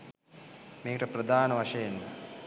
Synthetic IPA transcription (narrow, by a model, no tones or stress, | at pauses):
meːkəʈəprɐd̪ʱaːnəʋaʂɐjenːɐ